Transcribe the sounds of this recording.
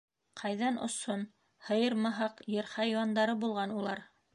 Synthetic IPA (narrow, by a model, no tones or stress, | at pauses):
qʰɑjðɑnʔŏ̰son | hɤ̆jɤɾmɑɦɑqjɤ̆ɾχɑjwɑnd̪ɑɾɤbulˠʁɑnulˠɑɾ